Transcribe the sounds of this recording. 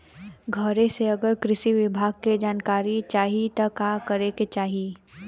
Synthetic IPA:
ɡʱəɾẽseɐɡəɾkɾɪʃiʋɪbʱaːɡ̚ked͡ʒaːnkaːɾit͡ʃaːɦit̪ɐkaːkəɾeket͡ʃaːɦi

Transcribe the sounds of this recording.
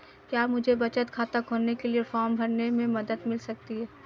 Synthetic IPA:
kjaːmʊd͡ʒʱebɐt͡ʃət̪kʰaːt̪akɦoːnekeliefɔːɾmbʱɐɾnemẽmɐd̪əd̪mɪlsɐk̚t̪iɦɛː

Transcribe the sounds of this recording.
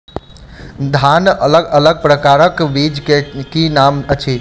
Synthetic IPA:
d̪ʱanələɡələɡ̚pɾəkaɾəkbid͡ʒkekinamət͡ʃʰi

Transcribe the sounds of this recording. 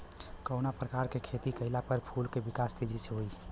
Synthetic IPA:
kəʊnapɾəkaɾkekʰet̪ikəɪlapəɾpʰulkebikast̪id͡ʒʱiseɦoi

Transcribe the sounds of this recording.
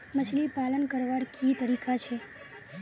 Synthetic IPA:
mət͡ʃlipalənkəɾʋaɽkʰit̪əɾikʰat͡ʃʰe

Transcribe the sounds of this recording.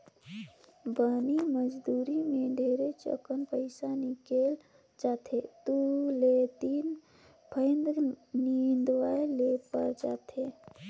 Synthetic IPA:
baːniməd͡ʒd̪uːɾimẽɖʱeːɾet͡ʃə̰kənpəɪsanikeːl | d͡ʒaːt̪ʰet̪ulet̪iːn | pʰəɪnd̪nind̪ʋaːelepəɾd͡ʒa̰ːt̪ʰe

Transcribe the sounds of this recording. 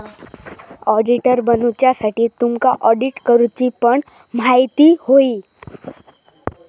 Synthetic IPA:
ɔɖiʈəɾbənut͡ɕjasaʈiːt̪umkaʔɔɖiʈkəɾut͡ɕipəɳ | m̤ajt̪iːhoiː

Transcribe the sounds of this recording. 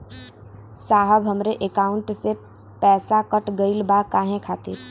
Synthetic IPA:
saːɦəbɦəmɾeʔekaːʊ̃ɳʈse | pɛːsakəʈɡəɪlbakaːɦẽkʰaːt̪e

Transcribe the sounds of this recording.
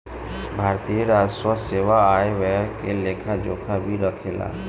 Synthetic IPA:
bʱaɾt̪ijeɾaːd͡ʒswət̪seʋaaeʋɛkelekʰad͡ʒoːkʰabʱiɾəkʰela̰

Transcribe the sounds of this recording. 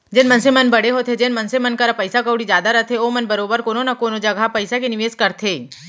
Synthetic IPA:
d͡ʒɪnmɐnsemɐnbɐɽeɦot̪ʰed͡ʒɪnmɐnsemɐnkɐɾapɐɪsakɐːɽid͡ʒjaːd̪aɾɐɦt̪ʰeoːmɐnbɐɾoːbəɾkoːnonakoːnod͡ʒɐɡʱapɐɪsakenɪʋeːskɐɾt̪ʰeː

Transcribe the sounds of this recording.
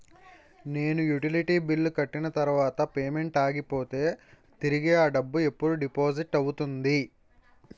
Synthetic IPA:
ne̞ːnujuʈiliʈiːbilːukɐʈːinɐt̪ɐɾuʋaːt̪ɐpe̞ːme̞ɳʈaːɡipo̞ːt̪e̞ː | t̪iɾiɡeːaːɖɐbːue̞pːuɽuɖipo̞ːd͡ʒiʈːɐwut̪und̪i

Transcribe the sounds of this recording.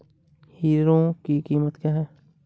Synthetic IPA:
hiːɾõkikiːmət̪kjaːɦɛː

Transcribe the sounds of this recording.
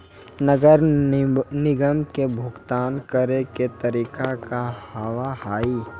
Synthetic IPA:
nəɡəɾ | nɪɡəmkebʱʊɡt̪aːnkəɾeket̪ɐɾiːkakahəʋahaːiː

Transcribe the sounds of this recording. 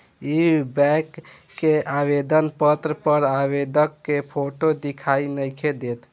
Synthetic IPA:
ibɛkː | eabed̪ənpət̪ɾəpəɾabed̪əkːepʰoʈod̪ikʰainəjkʰed̪et̪

